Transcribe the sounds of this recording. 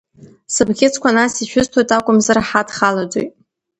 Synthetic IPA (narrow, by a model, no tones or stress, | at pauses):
sɨbɡʲɪt͡sʰkʷʰanasiʃᶣʊztʰwajtʼakʷʼʊmzɨraħadχalad͡zo̰jtʼ